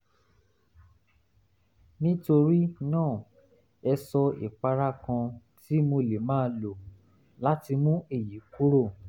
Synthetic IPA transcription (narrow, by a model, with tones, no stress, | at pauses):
nĩ˦to˧ɾi˦nãː˦˨ | ɛ˧sɔ˧ḭ˨k͡pa˨˧ɾa˦kã˧tʰi˦mo˧le˨mãː˦lo˨ | la˦ti˧mũ˦e˦˨ji˨˦ku˦ɾo˦˨